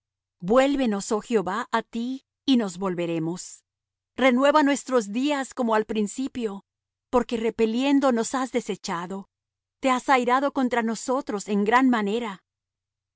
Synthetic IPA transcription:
bwe̞lβe̞no̞so̞xjo̞βaʔat̪iː | no̞zβo̞lβe̞ɾe̞mo̞s | re̞nwe̞βanwe̞st̪ɾo̞zd̪iasko̞moalpɾinsipjo̞ | po̞ɾkere̞pe̞lje̞nd̪o̞no̞sazðe̞se̞t͡ʃaðo̞ | t̪e̞asajɾaðo̞ko̞nt̪ɾano̞so̞t̪ɾo̞se̞ŋɡɾanmane̞ɾa

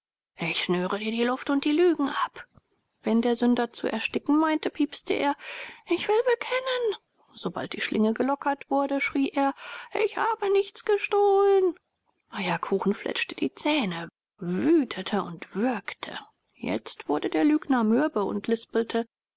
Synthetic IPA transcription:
ʔɪçʃnøːʁədiːɐdiːlʊftʊnt̚d̥iːlyːɡŋ̩ʔap | v̥ɛndeːɐzʏndɐt͡sṵʔɛ̰ɐʃtɪkŋ̩maɪntəpʰiːpstʰəʔḛːɐʔɪçv̥ɪlbəkʰɛnən | z̥oba̰lt̚d̥iːʃlʔɪŋəɡəlɔkʰɐtv̥ʊɐdəʃʁ̥iːʔeːɐʔɪçhaːbənɪçt͡sɡ̥əʃtoːlən | ʔajɐkʰuːxn̩flʔɛ̰t͡ʃtəd̥ḭːt͡sɛːnə | vyːtʰətʰəʔʊntv̥ɪɐktʰə̰ | jɛ̰t͡stv̥ʊɐdədeːɐlyːɡnɐmʏɐbəʊ̰ntʰlɪspl̩tʰə

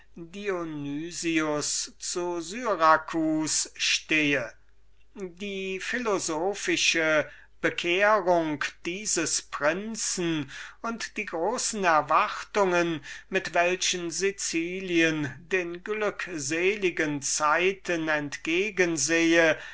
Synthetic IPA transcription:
dionyːziʊst͡suzyːʁakʰusʃteːə | diːfilozoːfɪʃə | b̥əkʰeːʁʊŋkd̥iːzəspʁ̥ɪnt͡sn̩ʊntd̥iːɡʁoːsn̩ɛɐvaχtʊŋənmɪtv̥ɛlʃənzit͡siːliəndeːnɡlʏkzeːlɪɡənt͡saɪtənɛntɡ̥eːɡənzeːə

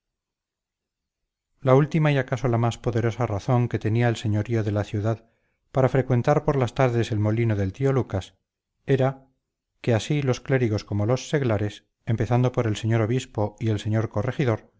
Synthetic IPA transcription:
lault̪imaiakaso̞lamaspo̞ðe̞ɾo̞saraθo̞ŋke̞t̪e̞niaelse̞ɲo̞ɾio̞ðe̞laθjuðað | paɾafɾe̞kwe̞nt̪aɾpo̞ɾlast̪aɾðe̞se̞lmo̞linoðe̞lt̪io̞lukas | e̞ɾa | ke̞asilo̞skle̞ɾiɣo̞sko̞mo̞lo̞sːe̞ɣlaɾe̞s | e̞mpe̞θand̪o̞po̞ɾe̞lse̞ɲo̞ɾo̞β̞ispo̞ie̞lse̞ɲo̞ɾko̞re̞xiðo̞ɾ

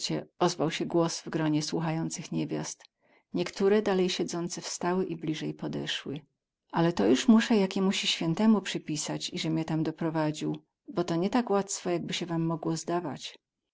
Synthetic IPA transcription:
t͡ɕɛɔzvawɕɛɡwɔsvɡɾɔɲɛswuxajɔnt̪sɘxɲɛvʲja̰st̪ | ɲɛkt̪uɾɛd̪alɛjɕɛd̪zɔnt̪sɛfst̪awɘʔiblʲiʐɛjpɔd̪ɛ̰ʂwɘ | ʔalɛt̪ɔjuʂmuʂɛjakʲɛmuɕiɕfʲjɛnt̪ɛmupʂɘpʲisat͡ɕiʐɛmʲɲɛt̪amd̪ɔpɾɔvad͡ʑiw | bɔt̪ɔɲɛt̪akwat̪sfɔjaɡ̚bɘɕɛvamːɔɡwɔzd̪ava̰t͡ɕ

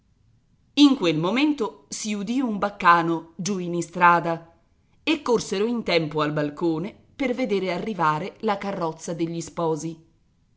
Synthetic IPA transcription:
iŋkwelmoment̪osiud̪iumbakːaːnod͡ʒuinist̪ɾaːd̪a | ekːorseɾoint̪ɛmpoalbalkoːne | perved̪eːɾearːivaːɾelakarːɔt̪sːad̪eʎːispɔːzi

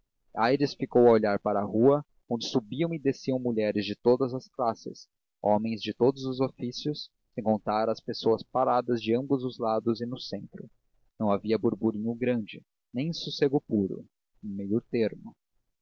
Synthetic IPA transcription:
ajɾɪsfikowɐoʎaɾpaɾɐːhuɐ | õnd͡ʒɪsubiɐ̃w̃ɪd̪esiɐ̃w̃muʎɛɾɪzd͡ʒɪt̪od̪ɐzɐsklasɪ̰s | ɔ̃mẽj̃zd͡ʒɪt̪od̪ʊzʊzofisjʊs | sẽj̃kõnt̪aɾɐspesoɐspaɾad̪ɐzd͡ʒɪɐ̃mbʊzʊzlad̪ʊzɪnʊsẽnt̪ɾʊ | nɐ̃w̃aviɐbuɾbuɾĩɲʊɡɾɐ̃d͡ʒɪ | nẽj̃suseɡʊpuɾʊ̰ | ũmejʊɾt̪eɾmʊ

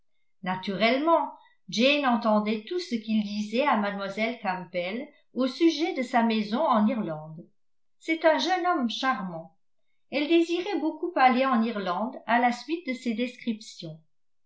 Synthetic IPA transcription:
nat̪yʁɛlmɑ̃ | d͡ʒenɑ̃t̪ɑ̃d̪ɛt̪usəkild̪izɛamad̪mwazɛlkampɛl | osyʒɛd̪əsamɛzɔ̃ɑ̃niʁlɑ̃d̪ | sɛt̪ɛ̃ʒœnɔmʃaʁmɑ̃ | ɛld̪eziʁɛbokupaleɑ̃niʁlɑ̃d̪alasɥit̪̚d̪əsed̪eskχipsjɔ̃

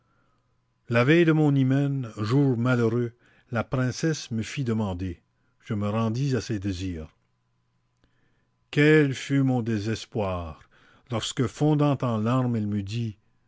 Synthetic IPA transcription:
lavɛjd̪əmɔ̃nimɛnʒuːʁmaløʁø | lapʁɛ̃sɛsməfid̪əmɑ̃d̪e | ʒ̥əməʁɑ̃d̪izased̪eziːʁ | kʲɛlfymɔ̃d̪ezɛspwaːʁ | lɔʁskəfɔ̃d̪ɑ̃t̪ɑ̃laʁmɛlməd̪i

